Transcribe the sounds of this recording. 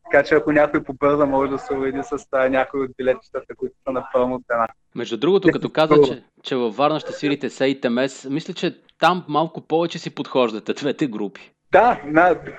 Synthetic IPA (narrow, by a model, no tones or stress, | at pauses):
t̪ɐ̥kat͡ʃɛɐkonʲakojpobɤɾzɐmɔʒɛd̪ɐsɛʊbɛd̪isɐsnʲakoiod̪̚bʲilɛt̪̚t͡ʃi̥t̪ət̪ɐkut̪ə̥t̪ənɐpəlˠnot̪ɛna | mɛʒd̪ud̪ɾuɡot̪okɐt̪ɔkazəɛ | t͡ʃɛvɐfvaɾnɐʃt̪ɛsviɾit̪ɛsɛit̪ɛmɛsmislʲɛt͡ʃɛ | t̪amːalˠkʊpɔvɛt͡ʃɛsipot̪xɔʒd̪ɐt̪ɛd̪vɛt̪ɛɡɾupi̥ | d̪ana